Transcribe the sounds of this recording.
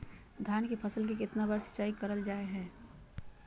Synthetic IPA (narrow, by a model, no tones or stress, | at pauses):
d̪ʱjaːnkepʰəsəlkekɪt̪nabəɾsɐ̥t͡ʃaːikɐɾəld͡ʒaːeɦɛ̃ː